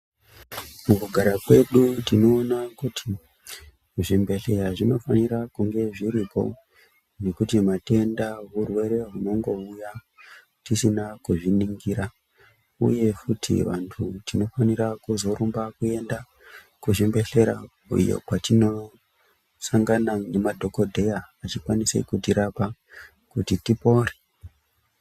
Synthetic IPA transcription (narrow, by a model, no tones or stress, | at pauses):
mukuɡʱaɾakwe̞ɗutino̞ːnakutʰi | ʐimbe̞ɬe̞ɾaʐino̞faniɾakuŋɡe̞ʐiɾipʰo̞̰ | ne̞kutimate̞ndaɦurwe̞ɾe̞ɦuno̞ŋɡo̞uja | tisinakuʐiniŋɡiɾa | ṵje̞futʰḭʋantʰutino̞faniɾakuzo̞ɾumbakue̞nda | kuʐimbe̞ɬe̞ɾa̰ | ṵjo̰katino̞ | saŋɡanane̞madʱo̞ko̞dʱe̞jaːt͡ʃikwanise̞̰kutiɾapa | kutitipo̞re̥